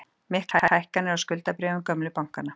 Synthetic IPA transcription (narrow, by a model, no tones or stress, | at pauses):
mɪhk̪hahajhkanɪɾawskʏl̪t̪apɾɛːvʏmkœmlʏpawŋ̥kana